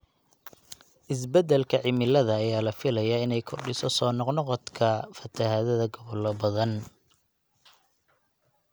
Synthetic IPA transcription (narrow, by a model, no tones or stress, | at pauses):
ʔɪs̬bɐd̪ɛlkʰɐʕɪmɪlɐðɐːjaːlɐfɪlɐjaɪnɛjkʰʊrɖɪsɔsɔːnɔqnɔqɔt̪kʰɐfɐt̪ʰɐɦɐðɐðɐɡɔβɔlɔbɐðɐn